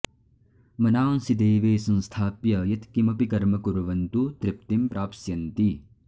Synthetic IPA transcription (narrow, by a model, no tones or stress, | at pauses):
mɐnaːnsid̪eːʋeːsɐ̃nst̪ʰaːpjɐjɐt̪kimɐpikɐɾmɐkuɾʋɐnt̪ut̪ɾɪp̚t̪impɾaːpsjɐnt̪i